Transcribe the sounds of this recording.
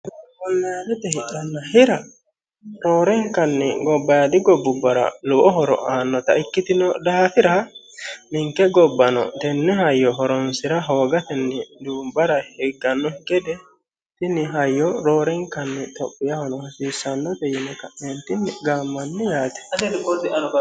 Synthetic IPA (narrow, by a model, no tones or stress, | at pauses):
bɔlːaɾɛt̪ɛhɛᶑɐnːɐhɪɾɐ | ɾoːɾɛŋkɐnːɪɡɔbːɐjad̪ɪɡɔbːʊbːɐɾɐ̰lʊʔɔɦɔɾɔ̰ʔaːnːɔt̪ɐ̰ɪkːɪt̪ɪnɔd̪ɐafɪɾɐ | mɪŋkɛɡɔbːɐnɔ̰t̪ɛnːɛhɐjːɔɦɔɾɔnsɪɾɐɦoːɡɐt̪ɛnːɪd̪uːmbɐɾɐhɛɡːɐnːɔɡɛd̪ɛ | t̪ɪnːɪɦɐjːɔɾoːɾɛŋkɐnːɪt̪ɔpʼːɪjɐhɔnɔhɐsiːsːɐnːɔt̪ɛjɪnɛkɐʔnent̪ɪnːɪɡaːmːɐnːɪjaːt̪ɛ̥ɐd̪ɛdɪkːɔsɛʔɐnɔk